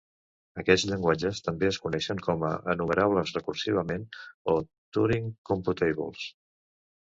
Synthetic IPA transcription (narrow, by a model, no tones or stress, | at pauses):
əkɛd͡zʎəŋɡwad͡ʒəst̪əmbeəskunɛʃəŋkʰɔmə̰ʔənuməɾaβ̞ləzrəkursiβ̞əmeno | t̪uɾiŋkumput̪ejβṵlˠs